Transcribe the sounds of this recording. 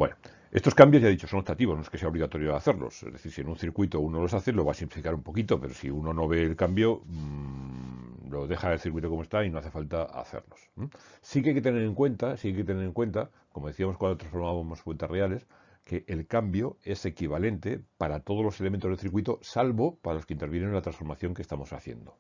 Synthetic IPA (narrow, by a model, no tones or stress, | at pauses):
bweno | est̪o̞skambjoʝaðit͡ʃo̞so̞not̪at̪iβonoeskese̞ao̞βliɣat̪o̞ɾjo̞a̰θe̞ɾlo̰sezðe̞θiɾsienũnθiɾkwit̪o̞uno̞lo̞saθelo̞βasimplifikaɾumpo̞kit̪ope̞ɾo̞sḭuno̞no̞βe̞ːlkambjo̞ | lo̞ðe̞xaelθiɾkwit̪okomoe̞st̪aino̞aθe̞falt̪aa̰θḛɾlo̞̥smsikeajket̪eneɾe̞ŋkwe̞nt̪asikajket̪ene̞ɾe̞ŋkwe̞nt̪a | komo̞ð̞eθiamo̞skwand̪ot̪ɾãnsfo̞ɾmaβamosfwe̞nt̪e̞reale̞s | ke̞ʔːlkambjo̞e̞se̞kiβale̞nt̪e̞paɾat̪o̞ð̞olose̞lement̪o̞zðeθiɾkwit̪o̞salβo̞paɾalo̞skeint̪e̞ɾβjenelat̪ɾansfoɾmaθjo̞ŋkest̪amo̞sa̰θje̞̰nd̪o̞